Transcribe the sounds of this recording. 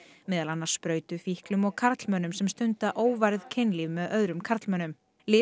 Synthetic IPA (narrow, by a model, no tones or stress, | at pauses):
mɛːðalanːaɾ̥spɾœːɥt̪ʏfihklʏmɔɣkʰaɾt̪lmœnʏmsɛmst̪ʏnt̪aʔoːwvajɾðcʰɪnlivmɛðœðɾʏmkʰaɾt̪lmœːnʏm | lɪː